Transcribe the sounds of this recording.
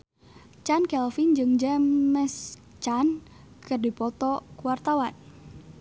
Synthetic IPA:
t͡ʃankɛlfind͡ʒɨŋd͡ʒɛmɛs | t͡ʃan | kɨrdipɔt̪ɔkuwart̪awan

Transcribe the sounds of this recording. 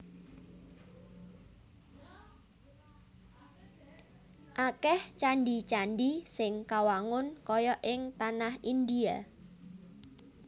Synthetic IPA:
ʔakɛht͡ʃaɳɖit͡ʃaɳɖisɪŋkawaŋʊnkɔjɔʔɪŋt̪anahind̪ia

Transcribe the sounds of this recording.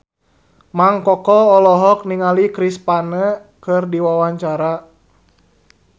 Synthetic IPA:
maŋkɔkɔɔlɔɦɔk̚niŋalikɾispanə | kɨrdiwawaɲt͡ʃaɾa

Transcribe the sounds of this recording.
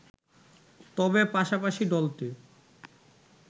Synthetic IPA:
t̪ɔbepaʃapaʃiɖɔlt̪e

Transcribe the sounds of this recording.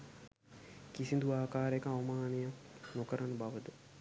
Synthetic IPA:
kisind̪uaːkaːɾekəaʋɐmaːnejanokəɾanəbaʋəd̪ə

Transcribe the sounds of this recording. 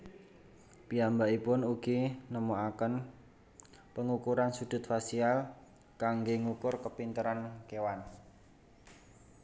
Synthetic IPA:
piambaipʊnuɡ̥inəmoakən | pəŋukuɾansud̪̥ʊ̤t̪̚fasial | kaŋɡeŋukʊrkəpint̪əɾankewan

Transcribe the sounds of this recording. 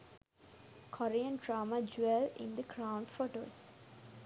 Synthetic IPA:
kʰɔɾiə̃nɖɾaːmad͡ʒwɛlɪ̰̃nd̪əkɾãʊ̃ɳɖfoːʈo̰ːs

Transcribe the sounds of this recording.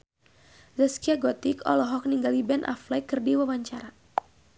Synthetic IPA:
zaskiaɡɔt̪ikɔ̰lɔɦɔk̚niŋɡalibɛnʔa̰flɛkɨrdiwawaɲt͡ʃaɾa

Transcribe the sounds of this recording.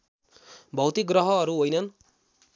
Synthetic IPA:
bʱʌwt̪iɡrʌɦʌːɾuɦojnʌn

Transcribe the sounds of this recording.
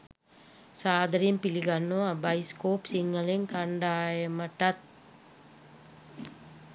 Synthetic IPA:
saːd̪ʱɐɾimpiliɡanːuʋabajskoːpsiŋːəleŋkaɳɖaːjəməʈat̪̚

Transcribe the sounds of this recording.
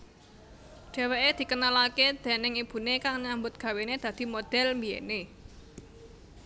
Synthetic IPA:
ɖ̥ɛ̤weʔed̪̥i̤kənalaked̪̥e̤nɪŋib̥ṳnekaŋɲambʊt̪̚ɡ̥ä̤wened̪̥ä̤d̪̥i̤mod̪̥ɛ̤lmbijḛne

